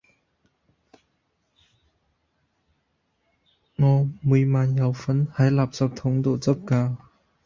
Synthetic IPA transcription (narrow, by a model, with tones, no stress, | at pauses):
ŋɔ˧˩mu˨˩˨jmaː˨nja˨˩wfə˨˦nha˨˦jla˨˩p̚t͡sa˧p̚t̪ʰɔ˨˦ŋd̪o˨t͡sə˥p̚kaː˧